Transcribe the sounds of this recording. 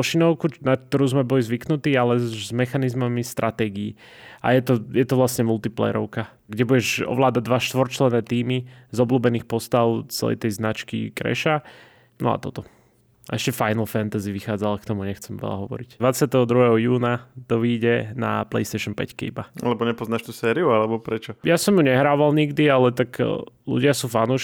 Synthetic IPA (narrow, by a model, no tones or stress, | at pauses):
ɔʃinɔʊkunak̚t̪ɔɾuːzmɛbɔlizʋiknut̪iːalɛzmɛxanizmamist̪ɾʔat̪ɛːɡiː | a̰jɛt̪ɔjɛt̪ɔʋlasɲɛmulˠt̪iplɛ̰jɛ̰ɾɔʊka | ɡɟɛbuɟɛʒɔ̰ʋlaːd̪aɟd̪ʋaʃt̪ʋɔɾt͡ʃlɛnɛːt̪iːmizɔbluːbɛniːxpɔst̪aʊt͡sɛ̰lɛ̰jt̪ɛjznat͡ʃkḭkɾɛ̰ʃa | nɔ̰a̰t̪ɔt̪ɔ | aɛʃcɛfajnl̩fant̪aziʋixaːd͡zalkt̪ɔmuɲɛxt͡sɛmʋɛ̰ʎa̰ɦɔʋɔ̰ɾicd̪ʋat͡sɪat̪ɛɦɔd̪ɾuɦɛɦɔjuːnat̪ɔʋiːɟɛna̰plɛ̰jst̪ɛːʃɔnpɛ̰ckḭbaa̰lɛbɔɲɛpɔznaːʃt̪usɛːɾiualɛbɔpɾɛt͡ʃɔjasɔmjuɲɛɦɾaːʋalɲiɡd̪ialɛt̪aklṵɟɪasuːfanuːʃ